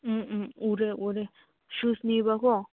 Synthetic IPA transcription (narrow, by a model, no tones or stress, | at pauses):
uɾeuɾe | ʃusnĩβako